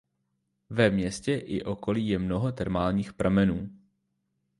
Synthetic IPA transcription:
vɛmɲɛscɛʔɪʔo̞ko̞liːjɛmno̞ɦot̪ɛɾmaːlɲiːxpɾʔamɛnuː

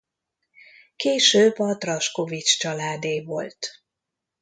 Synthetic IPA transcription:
keːʃøːbːɒt̪rɒʃko̞vit͡ʃt͡ʃɒlaːd̪eːvo̞lt̪

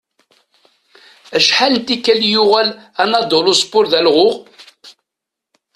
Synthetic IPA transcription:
æʃħalənt̪ikːæljuʁælænɑd̪olʊspʊɾðælʁʊʁ

